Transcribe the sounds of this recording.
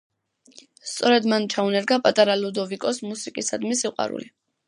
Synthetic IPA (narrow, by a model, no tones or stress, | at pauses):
st̪sʼɔɾɛd̪mant͡ʃʰaunɛɾɡapʼat̪ʼaɾalud̪ɔvikʼɔsmusikʼisad̪misiqʼwa̰ɾṵli